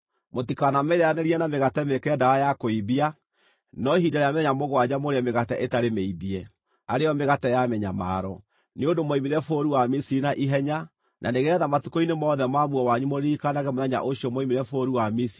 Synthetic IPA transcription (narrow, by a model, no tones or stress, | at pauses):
motikanamɛiɾeanɛɾiɛnameɣatɛmekɛdaɾajakoiβia | nɔɦidaɾeameɛɲamoɣwad͡ʑamoɾeɛmeɣatɛʔetaɾemeiβiɛ | aɾejɔmeɣatɛjamɛɲama̰ːɾɔ | neodomoimiɾɛfoːɾiwamisiinaʔiɦɛɲa | nʔa̰neɣɛðamatukoinemɔːðɛmamuɔwaɲumoɾikanaɣɛmoðɛɲa̰ʔoʃiɔmoimiɾɛfoɾiwamisi